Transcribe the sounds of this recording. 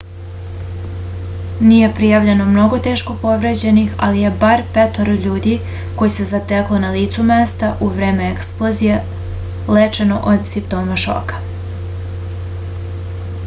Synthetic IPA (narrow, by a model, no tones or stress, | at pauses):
nije̞pɾijaʋʎe̞no̞mno̞ɡo̞t̪eːʃko̞po̞ʋɾed͡ʑe̞nixa̰lije̞baɾpet̪oɾʎuːd̪i | ko̞jese̞zat̪eklˠonaliːt̪sumest̪aʔuʋɾe̞ːme̞eksplˠozije | let͡ʃe̞no̞ʔod̪simpt̪o̞ːmaʃo̰kḁ